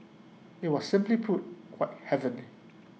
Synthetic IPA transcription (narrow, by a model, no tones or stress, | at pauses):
ɪt̚wɔssɪ̃mplipʰʊt̚kʰw̥aɪt̚hɛvə̃ni